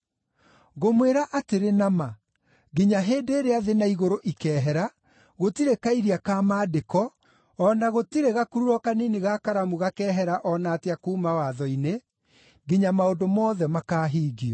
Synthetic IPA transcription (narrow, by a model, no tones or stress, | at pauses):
ɣomweɾaʔateɾenama | ɣiɲaɦeːdeːɾeaðenaiɣoɾoʔikɛːɦɛɾa | ɣotiɾekaiɾiakaːmaːdekɔ | ɔnaɣotiɾeɣakuɾuɾɔkaniniɣakaɾamuɣakɛɦɛɾaʔɔnaːteakuːmawaðɔine | ɡiɲamaodomɔːðɛmakaːɦiːɡiɔ